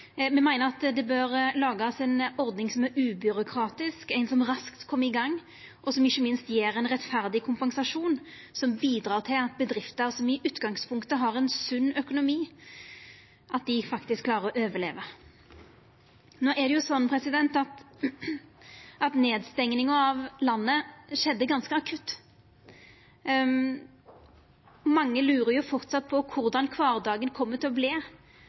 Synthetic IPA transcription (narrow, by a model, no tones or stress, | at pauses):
mɛmæɪnəɾɑt̪d̪ɛbøːɾlɑːɡɑsɛɪnɔɾd̪nɪŋsɔmæɾʉːbʏɾʊkʰɾɑːt̪ɪskæɪnsɔmɾɑskt̪kʰɔmːəɾɪɡɑŋː | ʔɔsɔmɪçːəmɪnst̪jeːɾɛɪnʁɛt̪fæɾd̪ɪkʰʊmpɑŋsɑʂuːn | sɔmbiːd̪ɾɑːʁt̪ʰɪlɑt̪̚bəd̪ɾɪft̪əɾsɔmɪʔʉːt̪ɡɑŋspʰʊŋkt̪əɦɑɾɛɪnsʉnːœkʊnʊmiː | ʔɑt̪̚d̪ɪfɑkt̪ɪskʰːlɑːɾəɾɔʔøːʋəlḛːʋə | noːʔæd̪ɛjʊsɔnːpʰɾɛsɪd̪ɛnt̪ɑt̪ | ɑt̪neːd̪st̪ɛŋnɪŋəɑʋlɑnːəʂɛd̪ːəɡɑnskəɑkʰʉt̪ː | mɑŋːəlʉːɾəjʊfɔʁt̪sɑt̪̚ːpʰɔkʰʊʁd̪ɑnkʰʋɑːʁd̪ɑːɡənkʰɔmːət̪ʰɪlɔbleː